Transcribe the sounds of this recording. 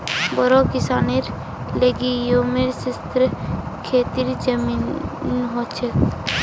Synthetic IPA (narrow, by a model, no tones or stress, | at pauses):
bɔɾokisaneɾ | leɡiomeɾsist̪ɾekʰet̪iɾd͡ʒəminnɦot͡ɕʰe